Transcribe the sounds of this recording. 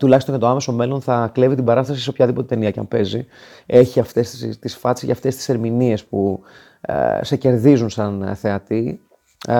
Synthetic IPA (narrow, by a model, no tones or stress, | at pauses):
t̪ulɐçist̪oncɐt̪oɐme̞some̞lo̞nθɐkle̞vit̪ibɐɾɐst̪ɐsiseo̞pçɐðipo̞t̪et̪e̞niɐcɐ̰mpe̞zi | e̞çiɐft̪e̞st̪isfɐt̪sicḛft̪e̞st̪i̥se̞ɾminie̞spṵ | se̞ce̞ɾðizunsɐnθe̞ɐt̪i